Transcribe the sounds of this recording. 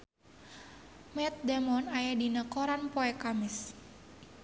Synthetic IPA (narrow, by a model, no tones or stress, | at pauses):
mɛt̪̚damɔnajadinəkoɾanpoɛkamɪs